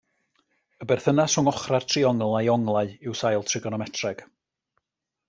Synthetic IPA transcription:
əbɛrθənasʊŋɔχrar̥tʰriɔŋlˠajɔŋlˠaɨɪwsajlˠtʰrɪɡɔnɔmɛtʰrɛɡ̥

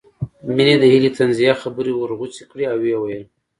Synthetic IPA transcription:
mined̪əhilit̪anzijaxabəɾiwəɾɣut͡si̥kɽiawːewajəl

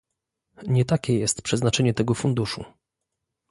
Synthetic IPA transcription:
ɲɛt̪akʲɛjɛst̪pʂɛznat͡ʂɛɲɛt̪ɛɡɔfund̪uʂṵ

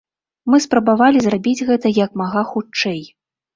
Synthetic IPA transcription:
mɨspɾɐbavalʲizrabʲid͡zʲɣɛt̪ɐjɐkmaɣaxut͡ʂɛj

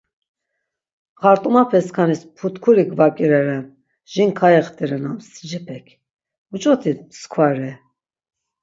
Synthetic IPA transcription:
χaɾt̪ʼumapʰɛskʰanispʰut̪kʰuɾiɡvakʼiɾɛɾɛm | ʒ̥inkʰajɛχt̪ʼiɾɛnamsi̥d͡ʒɛpʰɛkʰ | ut͡ʃʼɔt̪ʰiskʰwaɾɛ

